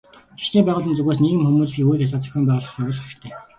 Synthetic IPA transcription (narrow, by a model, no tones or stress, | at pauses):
xi̥ʃniːmpæːʁʊːɮə̆nt͡suɣeːs̬neːɣɘ̆mxumuːsxʲiːut̪as̬aːt͡sœ̥xʲɔːmp̬æːʁʊːɮə̆χjʊwʲʊːɮɘ̆xt̪ʰeː